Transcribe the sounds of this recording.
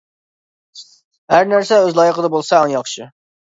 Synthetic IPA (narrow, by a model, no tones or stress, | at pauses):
hæɾnæɾsɛøzlˠɑːjəqəd̪ɑbolˠsɑɑnjɑχʃɪ